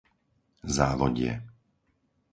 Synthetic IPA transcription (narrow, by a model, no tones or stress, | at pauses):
zaːʋɔɟɪɛ̰